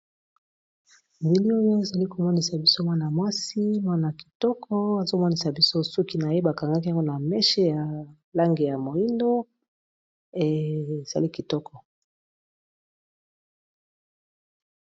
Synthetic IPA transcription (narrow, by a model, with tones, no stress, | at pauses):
nbi˨li˦o˦jo˦e˨za˨li˦ko˨mɔ˦ni˨sa˨bi˦so˦mwa˦na˨mwa˦si˦mwa˦na˨ki̥˨tɔ˦kʰɔ˦a˨zo˦mɔ˦ni˨sa˨bi˦so˦su˦ki˦na˨je˦ba˨ka˨ŋɡa˦k̬i˦ja˨ŋɡo˦na˨mɛ˦ʃe˦ja˨ | la˦ŋɡi˨ja˨mo˨i˦ndo˦˨ | e˨z̥a̰˨li˦ki˨tɔ˦kɔ˨